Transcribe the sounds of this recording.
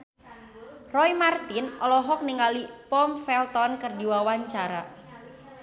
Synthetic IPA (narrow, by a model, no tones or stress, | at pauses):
rɔjmart̪ɪnʔɔlɔɦɔk̚niŋalipɔmfɛlt̪ɔnkərdiwawaɲt͡ʃaɾa